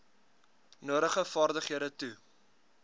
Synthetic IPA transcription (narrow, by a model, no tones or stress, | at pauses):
nuəɾəχəfɑːrdəχiəɾətu